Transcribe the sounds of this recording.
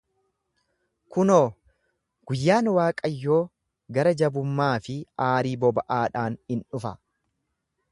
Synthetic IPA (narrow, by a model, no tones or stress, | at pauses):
kʊnoː | ɡ̥ʊjːaːnwaːkʼɐjːo̞ː | ɡɐɾɐd͡ʒɐbʊmːaːfɪaːɾiːbɔbɐʔaːᶑaːnhɪnᶑʊfɐ